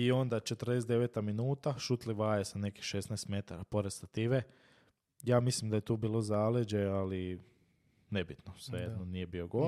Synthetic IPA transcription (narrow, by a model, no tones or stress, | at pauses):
io̞nd̪at͡ʃe̞t̪rd̪esd̪e̞ʋeːt̪aminuːt̪aʃut̪liʋaːjesane̞ki̥xʃesnajst̪me̞t̪aɾapo̞ɾed̪st̪at̪iʋe | jaːmislimd̪aje̞t̪uːbiːlˠo̞zaːled͡ʑeali | ne̞bit̪nosʋejed̪nonijebio̞ɡo